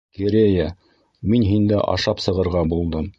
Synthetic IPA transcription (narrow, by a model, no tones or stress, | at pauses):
keɾʲeja | minɦind̪æʔɑ̰ʃɑpsɤ̆ʁɤ̆ɾʁɑbulˠd̪ɤm